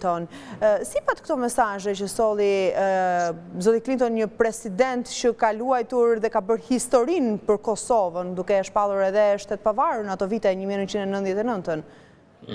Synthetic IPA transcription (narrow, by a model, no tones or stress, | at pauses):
t̪ɔn | sipat̪kt̪ɔmɛsaʒɛt͡ʃəsɔlˠi | zɔt̪iklint̪ɔnɲəpɾɛsid̪ɛnt̪t͡ʃəkaluajt̪uɾðɛkabəɾhist̪ɔɾinpəɾkɔsɔvənd̪ukɛaʃpalˠuɾɛðɛəʃt̪ɛt̪̚pavaɾunat̪ɔvit̪ɛɛɲəmiɛnənt͡ʃind̪ɛnənt̪ðjɛt̪ɛnənt̪ən